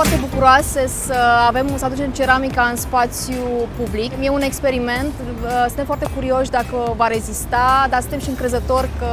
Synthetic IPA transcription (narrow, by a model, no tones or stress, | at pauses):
art̪e̞bukuɾoase̞səave̞msəad̪ut͡ʃe̞mt͡ʃe̞ɾamikaɨnspat̪sjupublikmje̞une̞kspe̞ɾime̞nt̪ | sɨnt̪efoart̪ekuɾio̞ʃʲd̪akəvaɾe̞zist̪ad̪asɨnt̪e̞mʃiɨŋkɾe̞zət̪o̞rʲkə